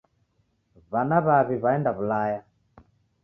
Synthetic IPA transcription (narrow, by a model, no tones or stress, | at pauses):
βanaβaβiβaɛndaβulaja